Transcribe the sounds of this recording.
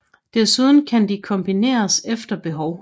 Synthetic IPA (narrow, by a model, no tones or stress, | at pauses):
d̥æɐ̰suð̞ˠn̩kʰænd̥ikʰɒ̽mb̥ine̝̰ːɐsefd̥ɐb̥e̝ɦɒʊ